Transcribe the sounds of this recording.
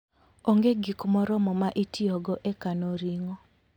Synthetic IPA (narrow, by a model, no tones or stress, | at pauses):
oŋɡeɡikmɔɾɔmɔmaʔitʰiɔɡɔʔekanoɾiŋɔ